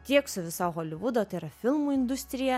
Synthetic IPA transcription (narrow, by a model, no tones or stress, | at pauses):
t̪ʲiɛksʊʋʲɪsɑːɣoːlʲɪʋʊd̪oːt̪ɐɪɪɾɐfʲɪlˠmuːɪnd̪ʊsʲt̪ʲɾʲɪjɛ